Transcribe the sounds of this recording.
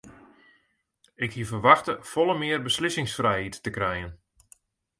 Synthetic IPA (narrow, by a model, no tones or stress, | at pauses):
ɪkhiəvərʋaxtəfɔlˠəmɪərbəslɪsɪŋsfrɛjhitːəkrɛjən